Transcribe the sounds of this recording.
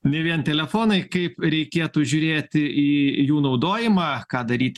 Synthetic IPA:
nʲɛʋʲiɛnt̪ʲɛlʲɛfoːnɐɪkɐɪpɾʲɛɪkʲeːt̪uːʒʲuːɾʲeːt̪ʲɪiːjuːnɐʊd̪oːjɪmɑːkɑːd̪ɐɾʲiːt̪ʲ

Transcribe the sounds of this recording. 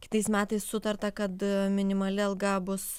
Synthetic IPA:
kʲɪ̥t̪ɐɪsmʲæːt̪ɐɪssʊt̪ɐrt̪ɐkɐt̪mʲɪnʲɪmɐlʲɪɐlˠɡɐbʊs

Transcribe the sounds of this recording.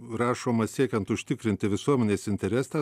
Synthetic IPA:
ɾɑːʃoːmɐsʲiɛkʲɛnt̪ʊʃʲt̪ʲɪkɾʲɪnʲt̪ʲɪʋʲɪsuɔmʲɛnʲeːsɪnʲt̪ʲɛɾʲɛsɑ

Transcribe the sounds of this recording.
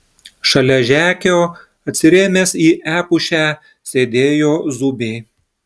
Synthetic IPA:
ʃɐlʲɛʒʲæːkʲoː | ɐt̪ʲsʲɪɾʲeːmʲeːsiːʔæːpʊʃʲæː | sʲeːd̪ʲeːjoːzʊbʲeː

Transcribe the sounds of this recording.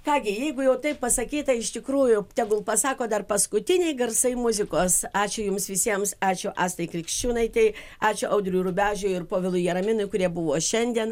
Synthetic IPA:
kɑːɡʲɪjɛɪɡʊjɛʊt̪ɐɪppɐsɐkʲiːt̪ɐɪɪʃʲt̪ʲɪkɾuːjʊt̪ʲɛɡʊlˠpɐsɑːkoːd̪ɐrpɐskʊt̪ʲɪnʲɛɪɡɐrsɐɪmʊzʲɪkoːsɑːt͡ʃʲʊjʊmsʋʲɪsʲiɛmsɑːt͡ʃʲʊʔɑːst̪ɐɪkɾʲɪkʃʲt͡ʃʲuːnɐɪt̪ʲɛɪ | ɑːt͡ʃʲʊʔɐʊd̪ʲɾʲʊuːɾʊbʲæːʒʲʊːɪrpoːʋʲɪlˠʊjɛɾɐmʲɪnʊɪkʊɾʲiɛbʊʋoːʃʲɛnʲd̪ʲiɛn

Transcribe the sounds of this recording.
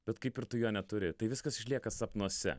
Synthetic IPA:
b̥ʲɛt̪kɐɪpɪɾt̪ʊjoːnʲɛt̪ʊɾʲɪt̪ɐɪʋʲɪskɐsɪʃʲlʲiɛkɐsɐpnuɔsʲɛ̰

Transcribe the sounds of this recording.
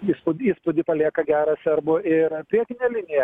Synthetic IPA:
iːspʊd̪ʲiːspʊd̪ʲɪpɐlʲiɛkɐɡʲæːɾɐsʲɛrbʊɪrpʲɾʲiɛkʲɪnʲeːlʲɪnʲɪjɛ

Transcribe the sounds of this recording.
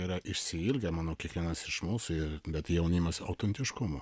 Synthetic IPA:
iɾɐʔɪʃʲsʲɪɪlʲɡʲɛmɑːnoːkʲiɛkʋʲiɛnɐsɪʃmuːsʊɪɾbʲɛt̪jɛʊnʲɪmɐsɐ̰ʊt̪ʲɛnʲt̪ʲɪʃkʊmʊ

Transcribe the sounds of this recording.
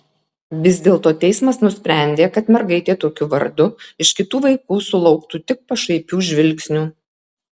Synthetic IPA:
ʋʲɪzʲd̪ʲeːlˠt̪oːt̪ʲɛɪsmɐsnʊsʲpʲɾʲæˑnʲd̪ʲeːkɐt̪mʲɛɾɡɐɪt̪ʲeːt̪oːkʲʊʋɐ̰ɾd̪ʊɪʃkʲɪt̪uːʋɐɪkuːsʊlˠɒʊkt̪uːt̪ʲɪk̚pɐʃɐɪpʲuːʒʲʋʲɪlʲˑksʲnʲuː

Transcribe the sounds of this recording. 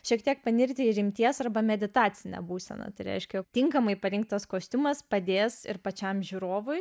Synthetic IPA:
ʃʲiɛkt̪ʲiɛk̚pɐnʲɪrʲkt̪ʲɪɾʲɪmʲt̪ʲiɛsɐrbɐmʲɛd̪ʲɪt̪ɑːt͡sʲɪnʲɛ̰buːsʲɛ̰nɐ̰t̪ɐɪɾʲɛ̰ɪʃʲkʲɛjkt̪ʲɪŋkɐmɐɪpɐɾʲɪŋk̚t̪ɐskoːsʲt̪ʲʊmɐspɐd̪ʲeːsɪɾpɐt͡ʃʲɛmʒʲuːɾoːʋʊj

